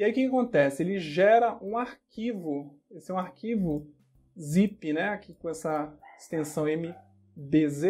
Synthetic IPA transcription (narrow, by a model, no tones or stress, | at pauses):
iaikɪkakõnt̪ɛsɪelɪʒɛɾɐʔũaɾkʰivʊ | esɪɛũaɾkivʊ | zipɪnɛakʰikõɛsɐɪst̪ẽsɐ̃w̃ẽmɪ | beze